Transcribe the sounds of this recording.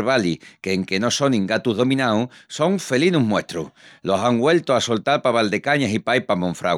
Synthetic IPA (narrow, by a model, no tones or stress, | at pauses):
βalikeːŋke̞no̞so̞nĩŋɡat̪uɦðo̞mĩnawso̞ŋfe̞linuɦmwe̞ht̪ɾuhlo̞saŋɡwe̞lt̪oaso̞lt̪aɾpaβald̪e̞kaɲasipajpamõɱfɾa̰ɣ